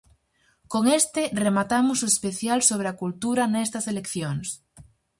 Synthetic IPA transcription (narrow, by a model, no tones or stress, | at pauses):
koŋest̪eremat̪amʊsoespeθjalsoβ̞ɾeakult̪uɾanɛst̪ɐselekθjoŋs